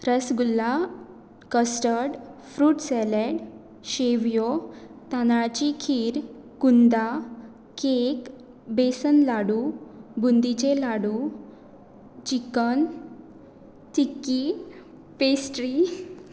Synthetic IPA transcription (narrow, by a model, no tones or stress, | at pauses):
ɾəsɡulːa | kəsʈəɽfɾuːʈsɛleɽ | ɕeʋjot̪anaɭt͡ɕikʰiːɾ | kund̪a | kek | besənlaɽubund̪it͡ɕelaɽu | t͡ɕikən | tikːi | pesʈɾi